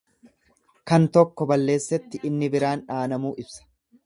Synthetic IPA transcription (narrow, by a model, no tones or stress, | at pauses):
kɐnt̪ɔkːɔbɐlːe̞ːsːɛt̪ːɪʔɪnːɪbɪɾaːnᶑaːnɐmuːʔɪbsɐ̥